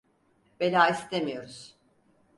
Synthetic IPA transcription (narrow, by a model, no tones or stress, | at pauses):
b̥elʲaːist̪ʰemijo̞ɾuz̥